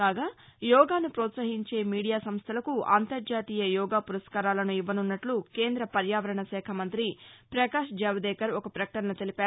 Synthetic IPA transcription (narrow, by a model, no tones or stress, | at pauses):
kaːɡaːjɔːɡaːnupɾɔːt̪sɐɦiɲt͡ʃe̞ːmiːɽijaːsɐmst̪ʰɐlɐkua̰ːnt̪ɐɾd͡ʒaːt̪iːjɐjɔːɡaːpuɾɐskaːɾaːlɐnuiʋːɐnunːɐʈluke̞ːnd̪ɾɐpɐɾjaːʋɐɾɐɳɐsɛːkʰɐmɐnt̪ɾipɾɐkaːʂd͡ʒɐʋɐd̪ɛːkɐɾɔkɐpɾɐkɐ̥ʈɐnɐnɐt̪elipaː